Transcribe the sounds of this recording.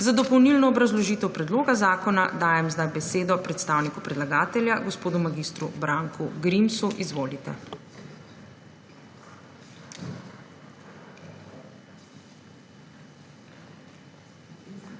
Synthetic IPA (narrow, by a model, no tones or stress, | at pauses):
zad̪ɔpɔwnilnɔːbɾazlɔʒiːt̪ɛwpɾɛd̪loːɡazaːkɔnad̪aːjɛmzd̪ajbɛseːd̪ɔpɾɛt̪st̪aːwnikupɾɛd̪laɡaːt̪ɛlʲjaɡɔspoːd̪umaɡist̪ɾubɾaːŋkʰuɡɾimsuʔizʋoːlit̪ɛ̰